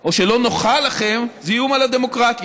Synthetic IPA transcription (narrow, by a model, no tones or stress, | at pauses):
o̞ʃe̞lo̞noχalːaχe̞mzijumalad̪e̞mo̞kʁat̪